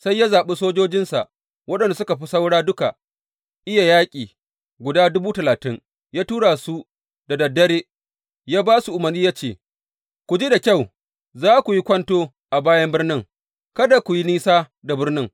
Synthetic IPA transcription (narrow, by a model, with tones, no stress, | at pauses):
sa˦jːa˦zaː˨ɓe˦soː˦d͡ʒoː˦d͡ʒɪ˦nsa̰˨ʔ | wɐ˦ɗɐ˨n˨da˨sʊ˦ka˨ɸi˦sa˦wɽaː˦dʊ˦ka˨ | ʔɪ˦ja˨jaː˦kʲʼiː˨ | ɡʷʊ˨daː˦dʊ˦buː˦tɐ˨laː˨tɪ˦ŋ | jaː˦tuː˦ɽa˨su˦ | da˨dɐ˨dːɐ˦ɽeː˦ | jaː˦baː˦su˨ʔʊ˨mɐ˨rniː˦jaː˦t͡ʃeː˦˨ | kʷu˨d͡ʒi˦da˨kʲa˦˨w | zaː˦kʷu˨ji˦kʷɐ˦ntoː˦ | ʔa˨baː˦jɐ˦mbɪ˦rnɪ˦ŋ | kɐ˦da˨kʷʊ˨ji˦niː˦saː˦ | da˨bɪ˦rnɪ˦ŋ